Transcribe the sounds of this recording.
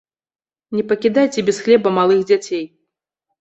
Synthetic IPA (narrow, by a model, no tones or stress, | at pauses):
nʲɛpɐkʲid̪ajt͡sʲɛbʲɛsxlʲɛbɐmalˠɨxd͡zʲat͡sʲej